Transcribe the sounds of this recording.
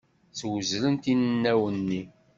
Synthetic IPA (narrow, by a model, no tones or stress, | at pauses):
t͡swəzlənt̪innːæwənːi